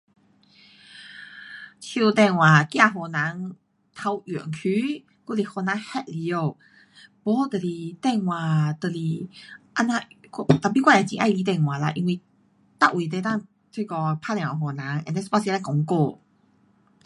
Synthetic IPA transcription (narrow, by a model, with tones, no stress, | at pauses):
t͡ɕʰu˧t̪ɛ˧˨nwã˨˩kjã˥˧˨ɦɔ˨˩na˨˦ŋ | t̪ʰa˧wjɛ̰˨˩nkʰy˧˦ | ku˥˧˨li˨˩hɔ˧nã˧˦hɛ˧t̚li˨˧˦o˥˧˨ | pɔ˧˦˧t̪ə˨li˨˩t̪ɛ˥˧˨ŋw̃ã˨t̪ə˨li˨˩ʔa˧˥nã˧t̪a˨˩pi˧kwa˥˧˨a˨˩t͡ɕĩ˧ʔa̰˥˧˨li˧t̪ɛ̃˧˩ŋwã˨˩la˧˨ʔi˧nwi˧ | t̪a˧˨ʔwi˨˩t̪e˧˦t̪ã˥˨ŋ | t̪ʰwi˥˧kɔ˧pʰa˥˨la˨ŋ˨˩˨ɦɔ˨˩na˨˦ŋɛ̰˧˨n˧˥spa˥˧˨si˧˦la˧˦kɔ˧ŋko˥˧˨